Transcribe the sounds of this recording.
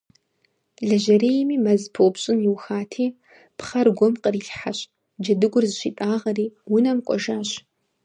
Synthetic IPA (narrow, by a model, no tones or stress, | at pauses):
ɮɐʒɐɾeːjmiːmɐzpʰopɕʼɪnjiwxaːtʰiː | pχɐrɡʷɔmqəriːɬħaɕʼ | d͡ʒɐdɨɡʷʊrzɨɕiːtʼaːʁɐriːwʊnɐmqʷʼɔ̰ʒaːɕ